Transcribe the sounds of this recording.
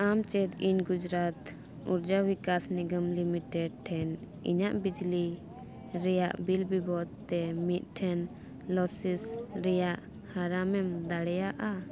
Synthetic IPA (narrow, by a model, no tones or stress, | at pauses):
amt͡ʃɛt̪iɲɡud͡ʒɾat̪ | uɾd͡ʒawikasniɡəmlimiʈɛɖ̚ʈʰɛn | ḭɲaʔbid͡ʒli | ɾɛjaʔbilbibɔd̪̚t̪ɛmit̪̚ˀʈʰɛn | lɔsisɾɛjaʔ | haɾamɛmd̪aɽɛjaʔa